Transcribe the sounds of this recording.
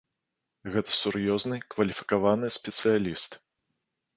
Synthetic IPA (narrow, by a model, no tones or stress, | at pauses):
ɣɛt̪ɐ̥surjɔznɨkvɐlʲifʲi̥kavanɨsʲpʲɛt̪sɨjalʲist̪